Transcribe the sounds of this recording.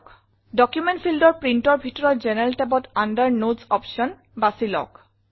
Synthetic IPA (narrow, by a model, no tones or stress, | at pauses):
k | dɔkjumɛntpʰildɔɹpɹintɔɹbʱitɔɹɔtzɛnɛltɛbɔtandəɹnozɔpsɔn | basilɔ̰k